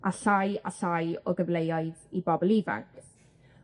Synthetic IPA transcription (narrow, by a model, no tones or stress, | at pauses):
ʔaɬaja̰ɬajɔɡəvlejɔɨðibɔbɔlˠɪva̰ŋk